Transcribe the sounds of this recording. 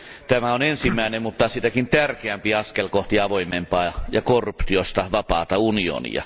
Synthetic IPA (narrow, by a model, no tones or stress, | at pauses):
t̪æmæonensimːˑæˑenemmut̪ːɑsit̪ækint̪ærkeæmpiɑskelkoht̪iɑʋoimːempɑːjɑkorːupt̪iost̪ɑʋɑpɑːt̪ɑunio̰nḭɑ̰